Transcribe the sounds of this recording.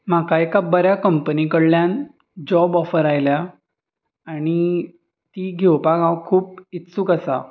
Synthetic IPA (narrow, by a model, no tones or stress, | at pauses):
m̤akaekabəɾjakəmpənikəɽljan | d͡ʑɔbɔfəɾajlja | aɽ̃i | t̪iːɡʱewpaɡãwkʰuːp̚it̪suːkəsa̰